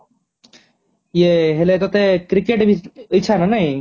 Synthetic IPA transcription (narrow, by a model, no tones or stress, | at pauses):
jeɦelet̪ot̪ekɾikeʈbʱiit͡ʃʰananɐĩ